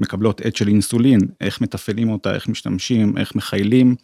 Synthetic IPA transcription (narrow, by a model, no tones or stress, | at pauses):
me̞kablo̞tetʃelinsulinʔe̞χme̞t̪afelimo̞taʔe̞χmiʃtamʃimʔe̞̰χme̞χajlim